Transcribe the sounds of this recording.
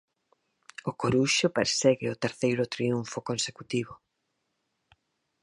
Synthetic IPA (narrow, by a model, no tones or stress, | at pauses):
ʊkoɾuʃopeɾsɛɣɪʊt̪eɾθejɾʊt̪ɾiuɱfokonsekut̪iβʊ